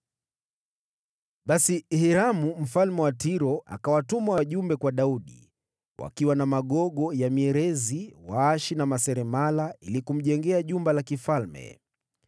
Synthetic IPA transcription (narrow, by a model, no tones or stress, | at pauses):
ɓasihiɾamum̩falmɛwatiɾɔʔa̰kawatumawaʄumbɛkwaɗauɗḭ | wa̰kiwanamaɠɔɠɔjamiɛɾɛziwaaʃinamasɛɾɛmalailikum̩ʄɛŋɡɛaʄumbalakifalmɛ̰